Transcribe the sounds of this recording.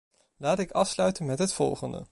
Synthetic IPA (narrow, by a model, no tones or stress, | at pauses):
laːtɪkɑfslœɥtənmɛtɦətfɔ̰lˠχəndə̰